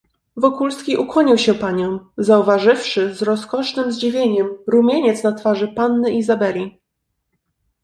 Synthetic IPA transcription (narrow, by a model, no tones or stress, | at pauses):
vɔkulskʲiʔukwɔɲiwɕɛpaɲɔ̃w̃zauvaʐɘfʂɘzɾɔskɔʂnɘmzd͡ʑivʲjeɲɛmɾumʲjeɲɛt̪snat̪faʐɘpanːɘʔizabɛlʲi